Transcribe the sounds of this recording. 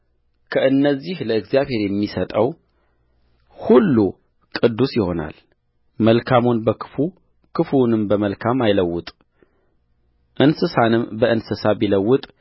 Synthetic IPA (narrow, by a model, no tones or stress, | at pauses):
kʰəɨnːəzːihləɨɡzjaβhe̞ɾjɛmːisət̪ʼəw | hulːu | kʼɨd̪ːusjɪho̞̰na̰l | məlkʰamunbəkʰɨ̥fu | kʰɨfunɨmbəməlkʰamajləwːʊt̪ʼ | ʔɨnsɨsanɨmbəʔɨnsɨsabiləwːʊt̪ʼ